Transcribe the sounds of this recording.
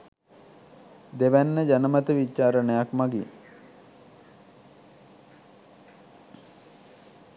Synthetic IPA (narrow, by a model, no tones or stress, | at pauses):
d̪eʋænːəd͡ʒanəmat̪əʋit͡ʃːaːɾənəjakmaɡḭ